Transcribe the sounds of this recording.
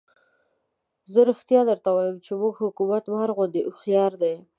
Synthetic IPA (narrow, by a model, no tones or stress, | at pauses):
zəɾɪxt̪ijɑd̪əɾt̪awajəmt͡ʃemuɡhʊkumat̪bahaɾɣʊnd̪eʔʊxjɑɾd̪e